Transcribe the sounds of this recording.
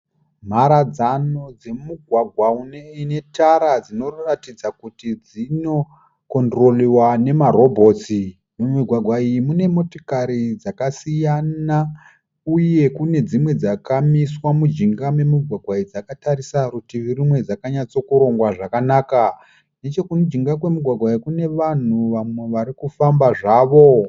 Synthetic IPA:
m̤aɾad͡zano̞d͡ze̞muɡʱwaɡʱwauneine̞taɾad͡zino̞ratid͡zakutid͡zino̞ | ko̞ndro̞liwane̞maɾo̞bʱo̞t͡si | memiɡʱwaɡʱwaijimune̞mo̞to̥kaɾid͡zakasijana | uje̞kune̞d͡zimwe̞d͡zakamiswamud͡ʒiŋɡame̞muɡʱwaɡʱwaid͡zakataɾisaɾutiririmwe̞d͡zakaɲat͡so̞kuɾo̞ŋɡwaʐakanaːka | ne̞t͡ʃo̞kunod͡ʒiŋɡakwe̞muɡʱwaɡʱwaiikune̞ʋan̤uʋamwe̞ʋaɾikufambaʐaːʋo̞

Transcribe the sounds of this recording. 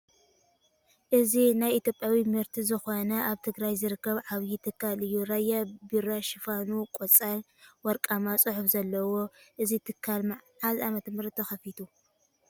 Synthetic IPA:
ʔɨzinajit̪ʰʲjopʼjawimɨɾt̪ʰizɨxonɐʔaβt̪ʰɨɡɾajzɨɾɨkːɐβʕaβjit̪ʰɨkːalɨjːuɾajːabiɾaʃɪfanukʼɔt͡sʼal | wɔɾkʼamasʼɨħufzɐlːɐwo̞ʔɨzit̪ʰɨkʰːalmaʕʕalamɐt̪mɨɾt̪ʰɐxɐfit̪ʰu

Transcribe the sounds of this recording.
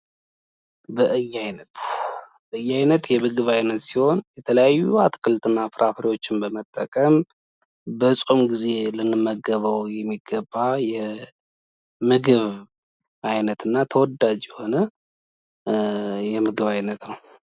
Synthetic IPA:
bəʔɨjːajnət̪bəʔɨjːajnət̪jɛmɨɡɨβajnət̪siho̞njɛt̪ʰələjajːuat̪kʰɨlt̪ʼɨnːafɨɾʔafəɾiwo̞t͡ʃːɪnbəmət̪ʼːəkʼəm | bəsʼumɡize̞lɨnːɨmːəɡəβəwjɛmːiɡːəbːajɛ | mɨɡɨβ | ʔajnət̪ɨnːat̪ʰəwɔd̪ad͡ʒjɛho̞nə | jɛmɨɡɨβajnət̪nəw

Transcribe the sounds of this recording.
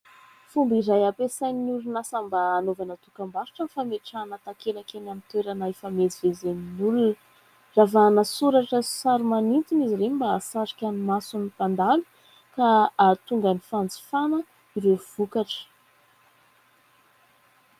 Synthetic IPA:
fumbiɾajapesajnulunasambaːnovanət̪ukambaɾi̥ʈ͡ʂəfameʈ͡ʂanət̪akelakenamint̪weɾanaefamezivezeninulunə | ravanəsuɾaʈ͡ʂəsaɾumanint̪iniziɾembasaɾikʲanimasunipand̪alu̥ | kaːt̪uŋɡanifand͡zi̥fanə | iɾev̥ukaʈ͡ʂə̥

